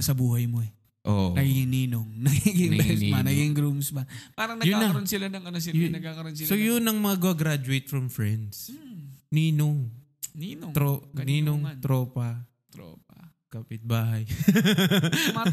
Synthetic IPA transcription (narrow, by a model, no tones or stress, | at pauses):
sɐbuːhɐjmoɛ | ʔoʔɐɡiɡɪŋniːnoŋnɐɡiɡɪŋbɐɐnɐɡɪŋɡɾumsbɐpaːɾɐŋnɐjʊanːk̪ːɐɐɾonsɪlanɐŋɐnos̬ɪjnɐɡkːakɐɾonsɪlsojʊnɐŋmɐŋaɡɐɡɾad͡ʒʊejt̪̚fɹɐmfɹɛnd̪sniːnoŋ | nint̪ɾoniːnoŋt̪ɾoːpɐ | t̪ɾo̰p̚a | kapɪt̪̚baːɦɐj